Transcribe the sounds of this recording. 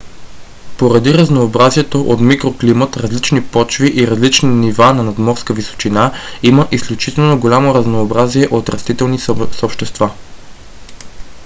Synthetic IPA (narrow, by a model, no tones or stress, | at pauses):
poɾɐd̪iɾɐznoːbɾaziɛt̪oʔot̪mikɾoklimət̪ɾɐzlit͡ʃnipɔt͡ʃviʔiɾɐzlit͡ʃninivanɐnɐd̪mɔɾskəviso̥t͡ʃinaiməʔisklʲut͡ʃit̪ɛlˠnoɡolʲamoɾɐznoːbɾaziɛʔot̪ɾɐst̪it̪ɛlˠnissopʃt̪ɛst̪va